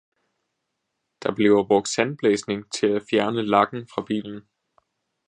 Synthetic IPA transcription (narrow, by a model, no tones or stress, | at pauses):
d̥ɑ̈b̥le̝ʊɐb̥ʁɔ̽ɡ̥d̥sænb̥leːsne̝ŋt͡sʰe̝læfjæɐnəlɑ̈ɡ̥n̩fʁɑ̈b̥ḭːln̩